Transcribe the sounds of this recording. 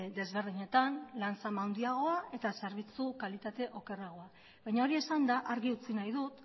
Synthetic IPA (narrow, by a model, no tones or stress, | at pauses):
d̪e̞zβe̞ɾðiɲe̞t̪anlant͡samawnd̪iaɣ̞o̞ae̞t̪ase̞ɾβ̞it͡sukalit̪at̪e̞ʔo̞ke̞raɣ̞o̞a | βajɲao̞ɾie̞sand̪aʔaɾɣiut͡sinajðut̪